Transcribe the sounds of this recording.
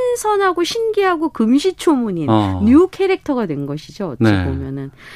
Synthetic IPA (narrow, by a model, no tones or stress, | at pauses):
nsʰʌnɦaɡoɕʰinɡiɦaɡokɯmɕʰit͡ɕʰomuɲinɲukʰe̞ɾek̚tʰʌɡadwe̞nɡʌɕʰid͡ʑoʌ̰neomjʌnɯn